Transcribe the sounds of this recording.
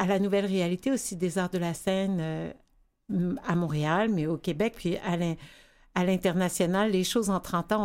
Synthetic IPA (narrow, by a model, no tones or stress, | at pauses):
alanuvɛlʁealit̪eosid̪ezaʁd̪əlasɛnø | amɔ̃ʁealmɛokʲebɛk̚pʰɥialɛ̃ | alɛ̃t̪ɛʁnasjɔnalːeʃoːzɑ̃t̪χɑ̃t̪ɑ̃